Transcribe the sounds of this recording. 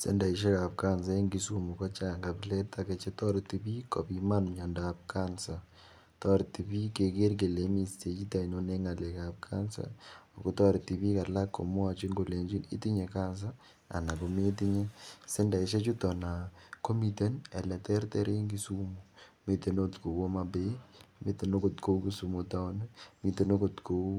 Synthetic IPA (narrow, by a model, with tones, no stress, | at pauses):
sɛ̰˦nda˨i˨ʃ̬ɛ˦ka˨pka˦ns̬a˦i˦ŋɡi˨su˦mu˨kɔ˦t͡ʃa˨ŋɡa˨plɛ˦ta˨ke˨t͡ʃe˦tɔ˦ɾti˨bi˦kɔ˨pi˦ma˦nɲɔ˨ndaː˨p̚ka˦nsa˨ | tɔ˦ɾti˨bi˦ke˨ke˦ɾk̬e˨le˨˦mi˨ste˨t͡ʃi˦ta˨i˨no˨ne˦ŋa˨lɛ˨ka˨pka˦nsa̰˨o˨ko˦tɔ˦ɾti˨bi˦ka˨la˦kːo̰˨mʊ˦a˨t͡ʃi˦ŋɡo˨le˨ɲd͡ʒi˦nḭ˦ti˦ɲe˨ka˦ns̬a˦ | a̰˨na˨ko˨me˦ti˦ɲe˦sɛ˦nda˨ɪ˨ʃɛ˦t͡ʃu˦tɔ˨na˨ko˦mi˨te˦nɛ̰˨lɛ˨tɛ˦ɾtɛ˦ɾe˦ŋɡi˦su˦mo˨me˦te˨no˦tko˨wɔ˦mabe˦me˦t̪e˨no˦ko˨tko˦u˦ki˦su˨mo˨ta˦o˦n˦mi˨te˨no˦ko˨tko˦